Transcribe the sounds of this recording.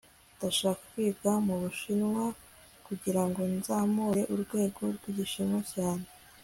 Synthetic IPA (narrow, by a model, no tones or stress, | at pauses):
ndaʃaːku̥kwiːbɡamuβuʃinwa | kuɟiɾaŋɡo̞nzaːmuːɾe̞ʔuɾɡwe̞ːɡo̞ɾɡwiːɾiʃinwacaːne̞